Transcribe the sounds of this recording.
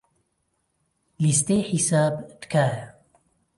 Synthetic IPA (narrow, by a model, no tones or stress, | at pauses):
list̪eːħisaːbd̪kʰaːja